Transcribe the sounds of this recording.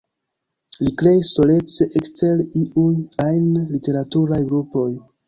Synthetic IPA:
likɾe̞jisːo̞le̞t͡se̞ʔekste̞liʔujajnlite̞ɾatuɾajɡɾupo̞j

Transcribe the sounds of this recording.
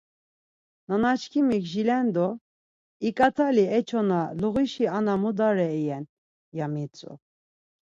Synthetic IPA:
nanat͡ʃkʰimikʒilɛnd̪ɔ | ikʼat̪ʰaliɛt͡ʃʰɔnaluɣiʃianamud̪aɾɛɛjɛn | jamit͡sʼṵ

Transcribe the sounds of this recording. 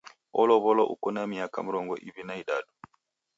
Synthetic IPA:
ɔlɔβɔlɔʔṵkɔnamiaka̰muɾɔŋɡɔ̰ʔiβinaiɗaɗu

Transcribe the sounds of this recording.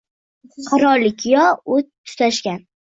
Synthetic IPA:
qʰɑɾɒlɪkʲʰɪjɒʊt̪t̪ʰːʊ̥t̪ʰaʃkʲan

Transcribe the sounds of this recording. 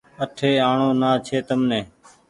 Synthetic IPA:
əʈʰeːaːɳoːnaːt͡ʃʰeːt̪əmneː

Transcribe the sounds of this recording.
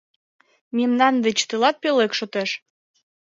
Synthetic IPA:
mimnɑnd̪et͡ɕt̪ɨlɑt̪̚pelekʃot̪eʃ

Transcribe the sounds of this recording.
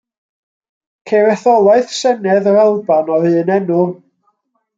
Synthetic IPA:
kʰejɾɛθɔlˠaɨθsɛnɛðɔɾalˠbanɔɾɨːnɛnʊlˠ

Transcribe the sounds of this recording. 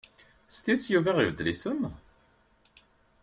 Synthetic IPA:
st̪isjuvæʁivəd̪lisən

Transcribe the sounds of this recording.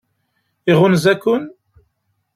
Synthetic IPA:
iʁʊnzækːʊn

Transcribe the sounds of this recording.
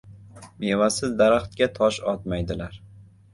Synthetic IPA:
be̞vasɪzd̪aɾaχt̪̚kʲat̪ʰɒʃɒt̪majd̪ɪlaɾ

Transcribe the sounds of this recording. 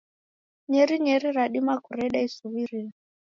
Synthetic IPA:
ɲɛɾiɲɛɾiɾaɗimakuɾɛɗaisuβiɾina

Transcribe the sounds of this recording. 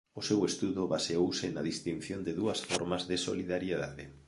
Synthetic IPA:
ʊsewest̪uðʊβaseowsɪnaðist̪inθjond̪ɪðuɐsfɔɾmazðɪso̰liðaɾjeðaðɪ

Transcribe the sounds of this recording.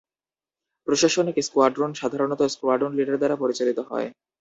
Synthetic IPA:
pɾoʃaʃonekeskoaɾɖɾonʃad̪ʱaɾonɔt̪oskoaɾɖɾonliɖaɾd̪aɾapoɾit͡ɕalit̪oɦɔ̰e

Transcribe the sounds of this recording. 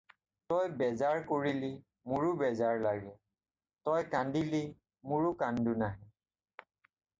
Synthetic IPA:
tɔjbɛzaɹkoɹili | mʊɹʊbɛzaɹlaɡɛ | tɔjkandili | mʊɹʊkandunaɦɛ

